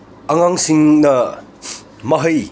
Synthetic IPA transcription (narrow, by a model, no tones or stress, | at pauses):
ɐŋaŋsiŋnɐ | mɐɦɐj